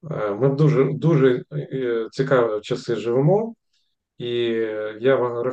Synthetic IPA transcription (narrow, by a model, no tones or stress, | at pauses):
mɪd̪uʒɛd̪uʒɛ | t͡sʲikɑʋɪt͡ʃɐsɪʒɪʋɪmɔ | ijaʋaɾɐ